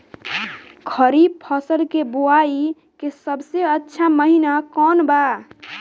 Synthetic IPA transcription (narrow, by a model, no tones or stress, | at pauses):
kʰəɾipʰəsəlkebuai | kesəbseətːʃʰaməɦinakɔnba